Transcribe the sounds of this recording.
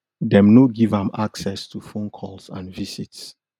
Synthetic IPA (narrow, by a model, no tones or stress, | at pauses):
dɛ̃mnoɡivãmaksɛstʰufõnkʰɔlsã̰nvisits